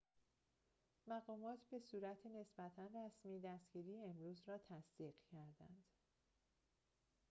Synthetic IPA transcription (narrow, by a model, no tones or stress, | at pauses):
mæɢɒːmɒːt̪ʰbe̞suːɾæt̪ʰene̞sbæt̪ʰænræsmiːd̪æst̪ɟ̥iːɾiːeemɾuːzrɒːt̪ʰæsd̪̥iːɢcʰæɾd̪æ̰nd̪̥